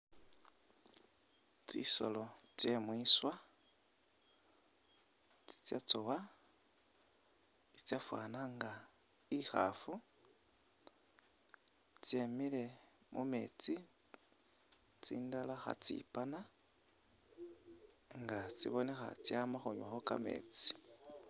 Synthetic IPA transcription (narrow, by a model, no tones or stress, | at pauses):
t͡sḭso̞̰lo̞t͡sje̞mwiːswa | t͡si̥t͡sjat͡sowa | it͡sjafwa̰ːnaŋɡaixa̰fu | t͡sjemile̞mume̞̰t͡si | t͡sḭːndalaxa̰t͡sḭpana | ŋɡat͡sḭβo̞ne̞xa̰t͡sjamaxoɲwaxoka̰me̞̰ːt͡si̥